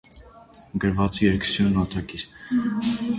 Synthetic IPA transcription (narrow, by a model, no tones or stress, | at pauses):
ɡəɾvɑt͡siɛɾkʰsjunːɑt̪ʰɑkiɾ